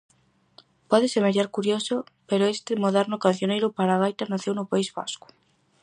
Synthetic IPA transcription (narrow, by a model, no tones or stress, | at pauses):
pɔðesemeɾjaɾkuɾjosopeɾoest̪emoðɛɾnʊkan̟θjonejɾʊpaɾaɣ̞ajt̪anaθewnʊpaizβa̰skʊ̥